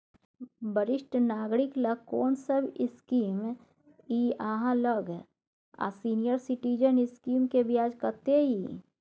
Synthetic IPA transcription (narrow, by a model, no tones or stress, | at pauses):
bəɾɪʃʈnaːɡɾɪkləɡ̚koːnsəbʱɪskiːm | iːaɦãləɡ | a̰siːnijəɾsɪʈiːd͡ʒənɪskiːmkebjaːd͡ʒkət̪eɦiː